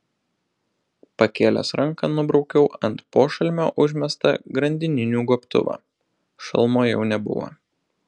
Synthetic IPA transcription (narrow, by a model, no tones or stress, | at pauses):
pɐkʲeːlʲo̰ːsɾɐŋˑkɐnʊbɾɒʊkʲɛʊʔɐnt̪poːʃɐlʲmʲo̰ːʔʊʒʲmʲɛst̪ɐ̰ɡɾɐnʲd̪ʲɪnʲɪnʲuːɡoːpʲt̪ʊ̰ʋɑ̰ː | ʃɐ̰lˠmoːjɛʊnʲɛbʊ̰ʋo̰